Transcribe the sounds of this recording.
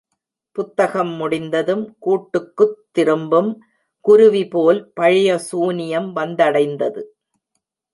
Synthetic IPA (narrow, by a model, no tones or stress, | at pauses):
pʊt̪ːɐɣɐmːʊɽɪnd̪ɐðɯmkuːʈːɯkːɯt̪ːɪɾɯmbɯm | kʊɾʊʋipoːlpɐɻɪjɐsuːnɪjɐmʋɐnd̪ɐɽɐɪnd̪ɐðɯ